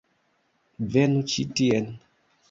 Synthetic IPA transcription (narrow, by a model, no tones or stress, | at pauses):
vɛnut͡ʃitiɛn